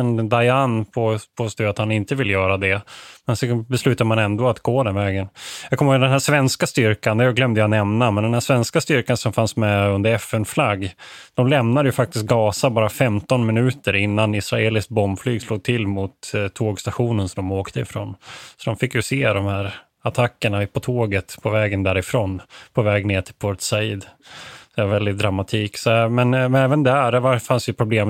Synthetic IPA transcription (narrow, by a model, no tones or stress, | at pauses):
ɛnd̪ajanpʰopʰost̪uat̪hanɪnt̪əvɪlːjœːɾad̪ɛmɛnsɔbɛslʉ̟ːt̪ad̪əmanɛnd̪oːat̪ɡoːd̪ɛnvɛːɡənjɑɡkʰɔmːod̪ɛnɦæːʂvɛnskast̪ʏɾkand̪ɛjɡlœmd̪əjanɛmnamɛnd̪ɛnhæːʂvɛnskast̪ʏɾkansɔmfansmɛɵnd̪əɾɛfɛnflaɡːd̪̥ɔmlɛmnad̪əjɵfak̚t̪ɪst̪̚ɡɑːsabɑːɾafɛmt̪ɔnmɪnʉ̟ːt̪əɾɪnːanɪsɾaeːlɪsk̪̚bɔmflyːɡsloːɡ̚t̪ʰɪlːmʊt̪t̪ʰːoːɡst̪aɧuːnənsɔmd̪ɔmoːkt̪ʰəɪfɾo̰ːnsɔd̪ɔmfɪkːjɵseːd̪ɔmhæːɾ | at̪ʰakːəɳapʰɔt̪ʰoːɡət̪pʰɔvɛːɡənd̪æːɾɪfɾoːnpʰɔvɛːɡneːʈʰɪ̥lpʰɔɾt̪saiːd̪d̪ɛvaɾvɛld̪ɪt̪̚d̪ɾamːat̪ʰiːksɔmɛnɛːvənd̪ɛæɖæɾvafansjɵpʰɾʊbleːm